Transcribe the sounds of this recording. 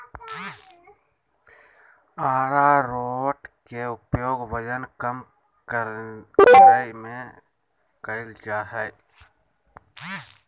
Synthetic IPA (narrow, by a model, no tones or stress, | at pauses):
aːɾaɾoːʈkeʊpjoːɡʋəd͡ʒənkəm | k | ɾaimẽ | kəɪld͡ʒaːɦɛ